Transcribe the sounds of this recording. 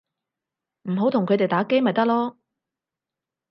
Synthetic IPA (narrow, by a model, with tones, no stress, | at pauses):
m̩˨˩ɦo˨˥wt̪ʰʊ˨ŋkʰɵ˨˧t̪e˨jt̪aː˨˥ke˥jmɐ˨˩jt̪ɐ˥k̚lɔː˥